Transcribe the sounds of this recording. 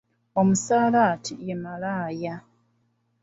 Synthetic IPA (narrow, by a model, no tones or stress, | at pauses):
o̞musaːlatʰijemalaːja